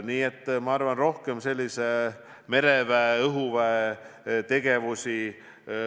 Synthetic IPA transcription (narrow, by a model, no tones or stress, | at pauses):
niːet̪ːˑmɑɑrvɑnro̞hkemse̞lʲːise | me̞ɾevæeɤɦuvæe | t̪e̞ɡ̥e̞vusʲi